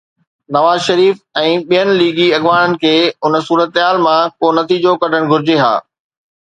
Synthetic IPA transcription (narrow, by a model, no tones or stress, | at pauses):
nɐʋaːzʃɐɾiːfɛ̃ːɓijənɪ̆liːɡiɐɠʋaːɽ̃ənɪ̆kʰeːʊnə̆suːɾət̪ɦaːlmãkonɐt̪iːd͡ʑokɐɖʱəɽ̃ɡʱʊɾɪd͡ʑeɦa̰ː